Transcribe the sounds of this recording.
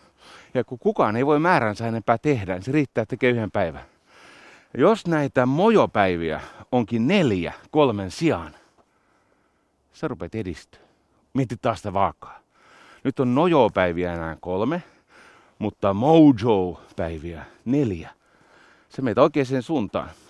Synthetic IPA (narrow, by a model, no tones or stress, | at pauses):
jɑkukukɑːneiʋoimæːrænsæenempæːt̪ehdæniseriːt̪ːæːt̪ekeːyhempæiʋæn | jɑjosnæit̪æmojopæiʋiæ̰oŋkinneljæ̰kolmensiɑn | serupet̪edist̪ø̥ | miet̪ːit̪̚t̪ɑːsit̪æʋɑːkːɑ̥ː | nyt̪ːonnojoːpæiʋiæenæːŋkolme | mut̪ːɑmoud͡ʒoːpæiʋiæneljæ | semeit̪oikeːsensuːnt̪ɑ̰ːn